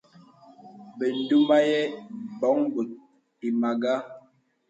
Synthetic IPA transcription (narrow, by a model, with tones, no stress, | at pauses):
bə˨n̩˦du˦ma˦jɛ˦bɔ˨˦ŋbə˨ | i˨ma˨ɡa˦